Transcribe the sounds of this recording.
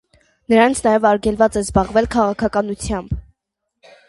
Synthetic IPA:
nəɾɑnt͡sʰnɑjɛvɑɾɡɛlvɑt͡sɛzbɑʁvɛlkʰɑʁɑkʰɑkɑnut͡sʰjɑmb

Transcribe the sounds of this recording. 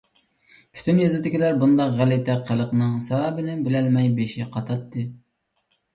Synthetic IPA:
pʰy̥t̪ʰynjɑzɪd̪ɪkʲilæɾbund̪ɑqʁælɪt̪ɛqʰːəlˠəqnɨŋsɑɾɑːbɪnɪbɪlɛlmɛjbeʃɪqʰɑt̪ʰɑt̪ːɨ

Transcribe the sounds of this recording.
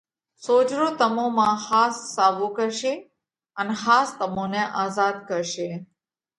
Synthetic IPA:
soːd͡ʒɾot̪əmõmãhaːsːaːʋokəɾʃe | ənexaːst̪əmõneʔaːzaːd̪kəɾʃe

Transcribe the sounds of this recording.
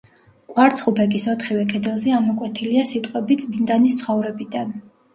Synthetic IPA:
kʼwaɾt̪sʰχupʰɛkʼisɔt̪ʰχivɛkʰʼɛd̪ɛlˠzɛamɔkʼwɛt̪ʰiliasit̪ʼqʼwɛbit̪sʼbind̪anist̪sʰχɔvɾɛbid̪an

